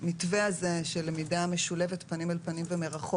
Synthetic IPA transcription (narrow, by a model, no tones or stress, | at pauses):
mitveaze̞ʃelemidameʃule̞vetpanimalpanimveme̞ʁaχo